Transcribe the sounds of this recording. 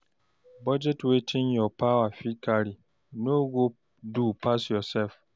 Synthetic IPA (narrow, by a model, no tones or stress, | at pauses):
bad͡ʑɛtʰwetʰɪ̃njɔpʰawafikʰaɾi | nõɡo | dupʰasjɔsɛlf